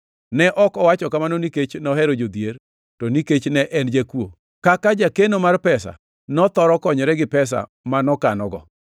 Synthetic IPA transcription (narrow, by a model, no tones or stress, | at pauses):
nɛʔɔkɔwat͡ʃɔkamanoniket͡ʃnɔɦɛɾod͡ʒod̪jer | tɔniket͡ʃnɛʔɛnd͡ʒekwo | kakad͡ʒakenomarpɛsa̰ | nɔt̪ɔɾɔkɔɲɔɾɛɡɪpɛs̬a̰ | manɔkanɔɡɔ̰